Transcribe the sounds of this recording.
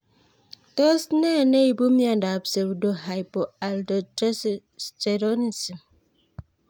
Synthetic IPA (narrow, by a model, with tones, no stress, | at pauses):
tɔ˦snɛ˦˨ne˦i˨bo˦mja˨nda˨pse˨bdo˨ɦa˨jpo˨a˨ldo˨t | te˨ɾo˦ni˨si˨m